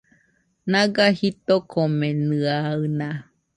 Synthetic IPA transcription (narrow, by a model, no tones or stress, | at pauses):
nãɡahit̪okʰomẽnɨaɨnã